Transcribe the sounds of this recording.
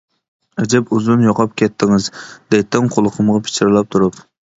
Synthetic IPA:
ɛd͡ʒɛpuzunjɑqʰɑp̚kʲʰɛt̪ʰːɪŋɪzd̪ɛt̪ːɪŋqʰolˠʊqʰəmʁɑpʰɪ̥t͡ʃʰɪɾlˠɛp̚t̪ʰuɾup

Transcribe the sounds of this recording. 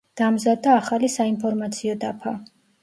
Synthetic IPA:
d̪̥amzad̪aːχalisainpʰɔɾmat̪sʰiɔd̪apʰa

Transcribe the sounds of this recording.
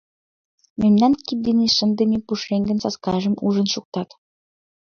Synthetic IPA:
memnænkʲid̪inʲiʃɘ̆nd̪ɘ̆nʲipuʂeŋɡɘ̆nsɑskɑʒə̆muʒə̆nʃuk̚t̪ɑt̪

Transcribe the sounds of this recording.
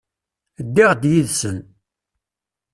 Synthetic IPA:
d̪ːɪʁd̪jiðsən

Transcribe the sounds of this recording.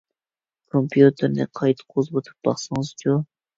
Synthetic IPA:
kʰompjut̪ʰɨɾnɪqʰɑjt̪ʰqʰozbot̪ʰu̥p̚b̥ɑχsɨŋɨzt͡ʃʰu

